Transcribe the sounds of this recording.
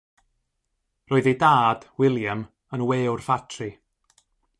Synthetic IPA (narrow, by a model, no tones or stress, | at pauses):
roːðejdaːd̥wɪlˠjəm | ənweːwrfatʰri